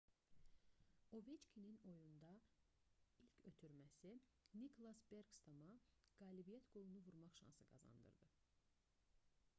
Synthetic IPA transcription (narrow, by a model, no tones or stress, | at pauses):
ovet͡ʃkʲʰinino̞jund̪ɑ | ilcʰø̞t̪ʰyɾmæsinikʰolˠɑsbe̞ɾɡst̪omɑɡ̥ɑːlibijæt̪ʰɡ̥o̞lˠunuvuɾmɑχʃɑ̰nsɯɡɑ̰zɑ̰nd̪ɯ̰ɾd̪ɯ